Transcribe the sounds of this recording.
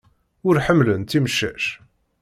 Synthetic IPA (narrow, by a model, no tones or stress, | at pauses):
ʊɾħəmːlənt̪ːiməʃːæ̰ʃ